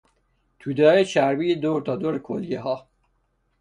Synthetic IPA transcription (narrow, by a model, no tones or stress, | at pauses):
t̪ʰud̪ɒːjet͡ʃæɾbiːed̪oɾt̪ʰɒːd̪oɾkʰo̰ljeɦɒː